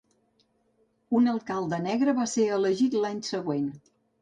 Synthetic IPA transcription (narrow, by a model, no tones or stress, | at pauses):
unəlˠkalˠd̪ənɛɣɾəβaseələʒit̪laɲsəɣwen